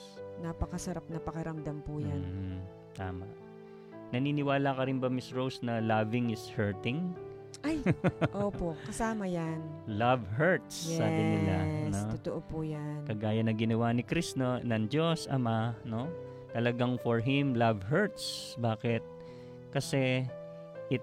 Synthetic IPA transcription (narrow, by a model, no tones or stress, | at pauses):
napɐkɐsɐɾap̚nɐpɐkɐɾɐmd̪ɐmpʊjamn̩ | t̪a̰ːmɐ̰ʔ | nɐniːnɪwaːlɐkɐɾɪnbɐmɪsɹowsnɐlavɪŋɪshɛɹt̪ɪŋ | ʔɐjʔoːpo̞kɐsaːmɐjanlɐvhɛɹt̪sjːɛa̰ːbɪnɪlasnoot̪oʔopujankɐɡaːjɐnːɐŋɡɪnɐwanɪkɾisnonɐŋd͡ʒosɐ̰mano̞ | t̪ɐlɐɡaŋfɔɹɦɪmlavɦɛɹt̪̚sbaːkɪt̪̚ | kɐsɛ | ʔɪ